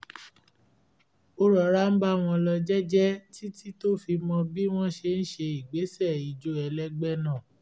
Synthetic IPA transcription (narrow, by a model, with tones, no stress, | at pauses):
o˦ɾɔ˨ɾa˦n̩˦ba˦˨w̃ɔ̃˧lɔ˧d͡ʒɛ˦d͡ʒɛ˦ti˦ti˦to˦fi˧mɔ̃˧bi˦w̃ɔ̃˦ʃe˧n̩˦ʃe˧i˨ɡ͡be˨˦sɛ˦˨i˨d͡ʒo˦ɛ˧lɛ˦ɡ͡bɛ˦nã˦˨